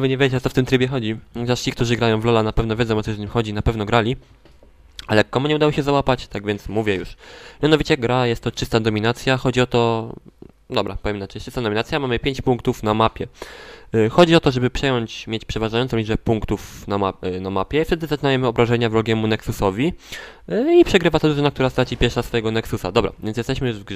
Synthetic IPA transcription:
vɘɲɛvʲɛd͡ʑet͡ɕɔt̪ɔft̪ɘmt̪ɾɘbʲjɛxɔd͡ʑiɔaʂt͡ɕik̚t̪uʐɘɡɾajɔ̃w̃vlɔlanapɛvnɔvʲed̪zɔ̃w̃ɔt̪ɔzɲimxɔd͡ʑinapɛvnɔɡɾalʲi | alɛkːɔmuɲɛud̪awɔɕɛzawapat͡ɕt̪aɡvʲjɛnt̪smuvʲjɛjṵʂmʲjanɔvʲit͡ɕɛɡɾajɛst̪ːɔt͡ʂɘst̪ad̪ɔmʲinat̪sʲjaxɔd͡ʑiɔt̪ɔ | d̪ɔbɾapɔvjɛmnat͡ʂɛjt͡ʂɘst̪ad̪ɔmʲinat̪ʲjamamɘpʲjeɲt͡ɕpuŋkt̪ufnamapʲjɛ | xɔd͡ʑiɔt̪ɔʐɛbɘpʂɛjɔɲt͡ɕmʲjet͡ɕpʂɛvaʐajɔnt̪sɔ̃lʲiʐbɛpuŋkt̪ufnaanamapʲjɛift̪ɛd̪ɘzat͡ʃɪnavjɛmɘɔbɾaʐɛɲavɾɔɡʲjɛmunɛksusɔvʲi | ipʂɛɡɾɘvat̪ad̪uʐɔnak̚t̪uɾast̪ɾat͡ɕipʲjɛɾʂasfɔjɛɡɔnɛksusad̪ɔbɾa̰vʲjɛnsjɛst̪ɛɕmɘjʐvɡ

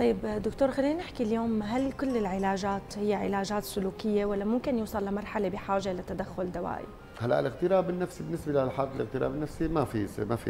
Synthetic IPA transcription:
t̪ɑjːɪbd̪ʊkt̪oːɾxalːiːnanɪħkiljoːmɦalkʊlːɪlʕɪlaːʒaːt̪hɪjːaʕɪ̰laːʒaːt̪sːʊluːkɪjːewalːamʊmkɪnjuːsˤɑlːamɑɾˤħalebɪħaːʒelat̪ad̪axːʊld̪awa̰ːʔḭ | halːaʔɪlɪɣt̪ɪɾaːbɪnːafsibɪnːɪsbelalħaːq̪ɪlɪɣt̪ɪɾa̰ːbɪnːafsimafismafḭ

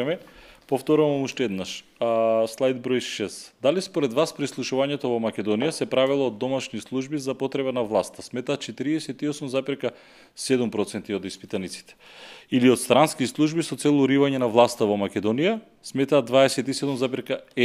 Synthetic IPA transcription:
mɛpoft̪oɾuvamuʃt̪ɛɛd̪naʃ | slˠajd̪̚bɾojʃɛsd̪alispoɾɛd̪vaspɾislˠuʃuvaɲɛt̪ɔvomakʲɛd̪onijasɛpɾavilˠoːd̪ːomaʃnislˠuʒbizapot̪ɾɛbanavlˠast̪asmɛt̪aːt̪t͡ʃɛt̪iɾiɛsɛt̪iosumzapɛɾka | sɛd̪umpɾɔt̪sɛnt̪iod̪ispit̪anit̪si̥t̪ɛ̥ | iliot̪st̪ɾanskislˠuʒbisɔt̪sɛlˠuɾivaɲɛnavlˠast̪avomakʲɛd̪ɔnija | smɛt̪aːd̪vaɛsɛt̪isɛd̪umzapɛɾka

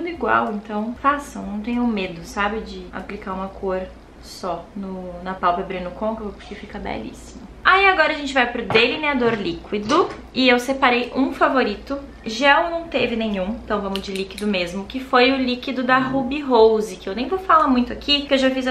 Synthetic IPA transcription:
t̪ũd̪ʊiɡwa̰wẽnt̪ɐ̃w̃fasɐ̃w̃nɐ̃w̃t̪ẽɲʊ̃med̪ʊsabɪd͡ʒɪa̰plikaɾũmɐkʰoɾ | sɔnʊnɐpawpɐbɾĩnʊkõkewvopʊɾkefikɐbɛ̰lḭsimʊ | aiaɡɔɾɐʒẽnt͡ʃɪvajpɾʊd̪eliniad̪oɾlikwid̪ʊ | ɪewsepaɾejʔũfavoɾit̪ʊ | ʒɛwnɐ̃w̃t̪evɪnẽɲũt̪ɐ̃w̃vɐ̃mʊzd͡ʒɪlikid̪ʊmezmʊkɪfojʊlikid̪ʊd̪ɐɦubiɦowzɪkɪewnẽj̃vofalɐmũj̃t̪ʊakʰikewʒafiz

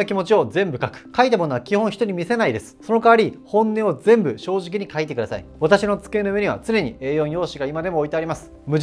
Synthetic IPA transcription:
okʲimo̞t͡ɕio̞zẽ̞mbɯ̟kakɯ̟̥kait̪̬amo̞noakʲihõ̞ɰ̃çi̥t̪o̞ɲ̟imʲise̞naid̪e̞sɨ̥so̞no̞kaβaɾʲihõ̞nːe̞o̞d͡zẽ̞mbɯ̟ɕo̞ːʑik̬ʲiɲ̟ikait̪̬e̞kɯ̟d̪asa̰ḭβat̪aɕino̞t͡sɨ̥ke̞ːnoɯβe̞ɲ̟iβa̰t͡sɨne̞ɲ̟ie̞ːjõ̞ɰ̃jo̞ːɕiɡaimad̪e̞mo̞ːit̪e̞aɾʲimasɨ̥ | mɯ̟

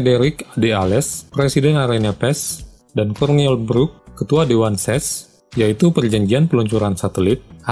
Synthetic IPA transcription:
edɛɾɪkdealɛspɾesidɛnaɾanapɛs | dankɔrniɛlbɾukːət̪uadewansɛs | jait̪upərd͡ʒaɲd͡ʒianpəluɲt͡ʃuɾansat̪əlit̪̚

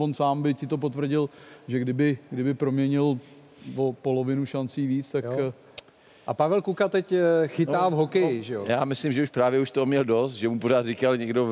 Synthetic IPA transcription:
onsaːmbɪcɪt̪o̞p̬ot̪vr̩ɟɪlʒɛɡdɪbɪɡdɪbɪpɾo̞mɲɛɲɪl | vopo̞lovɪnuʃant͡siːviːt͡st̪ak | ʔapavɛlkukat̪ɛcxɪt̪aːvɦokɛjjɪʒɛjojaːmɪslɪmʒɛuʃpɾaːvjɛuʃt̪omɲɛldost̪̚ʒɛmupoɾaːt̪rɪkalɲɛɡdo

